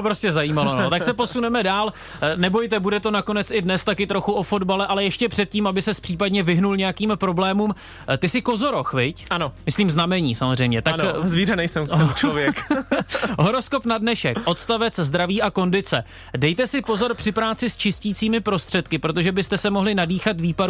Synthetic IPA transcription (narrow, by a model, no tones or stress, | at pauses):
opɾoscɛzajiːmalonot̪akksɛpo̞sunɛmɛdaːl | nɛbo̞jt̪ɛbudɛt̪o̞nako̞nɛt͡sɪdnɛst̪akɪt̪ɾo̞xuo̞fo̞dbalɛʔalɛjɛʃcɛpr̥ɛt̪̚ciːmabɪsɛspr̥iːp̬adɲɛvɪɦnulɲɛjakiːmpɾo̞blɛːmuːm | t̪ɪsɪko̞zo̞ɾo̞xvɪcanomɪsliːmznamɛɲiːsamozrɛjmɲɛt̪akzvirɛnɛjsɛmt͡ʃovjɛk | ɦo̞ɾo̞sko̞pnadnɛʃɛkʔo̞t̪st̪avɛt͡szd̪ɾaviːʔako̞ndɪt͡sɛ | dɛjt̪ɛsɪpo̞zo̞ɾpr̝̥ɪpɾaːt͡sɪst͡ʃɪsciːt͡siːmɪpɾo̞st̪r̝̥ɛt̪kɪpɾot̪̬oʒɛbɪst̪ɛsɛmoɦlɪnadiːxat̪viːpaɾ